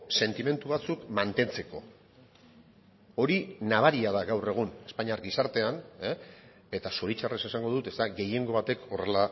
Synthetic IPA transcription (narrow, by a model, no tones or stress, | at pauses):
se̞nt̪ime̞nt̪uβat͡sukmant̪e̞nt͡se̞ko̞̰ | o̞ɾinaβ̞aɾiað̞aɣawre̞ɣ̞une̞spaɲaɾɡisaɾt̪e̞ane | e̞t̪asoɾit͡ʃarese̞saŋɡo̞ðut̪e̞zt̪aɣe̞je̞ŋɡo̞βat̪e̞ko̞re̞la